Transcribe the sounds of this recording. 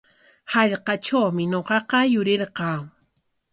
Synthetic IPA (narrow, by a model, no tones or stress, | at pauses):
hɑʎqɑʈ͡ʂawmɪɲoqɑqɑjʊɾɪɾqɑː